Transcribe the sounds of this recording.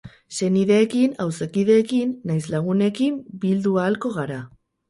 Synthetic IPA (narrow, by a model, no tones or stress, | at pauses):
se̞niðe̞ːkinawsekið̞e̞ːkinːajslaɣ̞une̞kimbild̪uaːlko̞ɣ̞aɾa